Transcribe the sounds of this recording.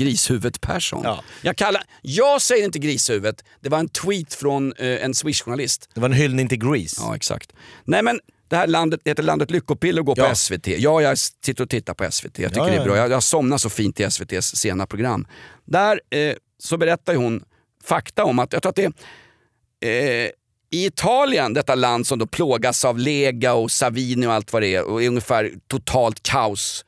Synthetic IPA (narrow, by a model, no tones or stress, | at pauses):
ɡɾiːshʉ̟ːvət̪pʰæ̰ʂɔ̰njɑɡkʰalːa | jɑːɡsɛjːəɾɪnt̪əɡɾiːshʉ̟ːvət̪d̪̥ɛvaɾɛnt̪ʰwiːt̪fɾɔnɛnswɪʂɧʊɳalɪst̪d̪ɛvaɾɛnɦʏlnɪŋt̪ʰɪlɡɾiːsɑ̰ːɛ̰ksa̰kt̪nɛɪmɛn | d̪̥ɛhæːɭand̪ət̪̚d̪ɛheːt̪ːəɭa̰nd̪ət̪lʏkːʊpɪlːəɾɔɡoːɔɛsvet̪ʰḛːjɑːjaɡsɪt̪ːəɾɔt̪ʰɪt̪ːaɾpʰɔɛ̰svḛt̪ʰḛːja̰t̪ʏkədɛbɾɑ̰ːjajasɔmnaʂɔfiːnt̪ʰːɪlɛsvet̪ʰeːsːeːnapʰɾʊɡɾa̰mːd̪æɾ | sɔbɛɾɛt̪ːajəhʊn | fakt̪aɔmːat̪jakt̪ɾuːɾat̪d̪ɛ | ɪɪt̪ʰɑːlɪənd̪ɛt̪ːaland̪sɔmd̪opʰloːɡasavleːɡaɔsaviːnɪɔalt̪vaɾɛɛɔ̰ɛɾɵŋəfæːɾt̪ʰʊt̪ʰɑːlt̪kʰaʊs